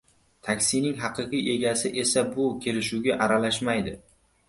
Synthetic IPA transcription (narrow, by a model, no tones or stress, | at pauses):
t̪ʰakʲsinɪŋɦɑqʰɨqɨje̞ɡʲasɪʔe̞sabʊkʲʰe̞ɾɪʃuɡʲaʔaɾalaʃmajd̪ɪ